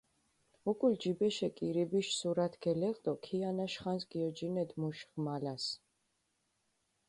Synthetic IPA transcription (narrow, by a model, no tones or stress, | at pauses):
ukʼuld͡ʒibɛʃɛkʼiɾibiʃsuɾat̪ʰɡɛlɛʁʼd̪ʼɔkʰianaʃχansɡiɔd͡ʒinɛd̪muʃʁmalas